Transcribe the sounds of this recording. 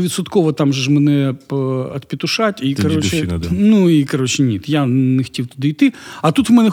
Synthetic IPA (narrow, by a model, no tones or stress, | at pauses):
ʋʲit̪sʊt̪kɔʋɐt̪ɑmʒʒmɛnɛ | ɐt̪pʲit̪ʊʃatʲikɐɾɔt͡ʃɛnuikɐɾɔt͡ʃɛnʲit̪janexɐ̥tʲiwt̪ʊd̪ɪijt̪ɪɐt̪ut̪ʋmɛnɛ